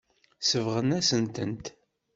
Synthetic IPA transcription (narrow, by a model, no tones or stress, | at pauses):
səvʁənæsənt̪ənt̪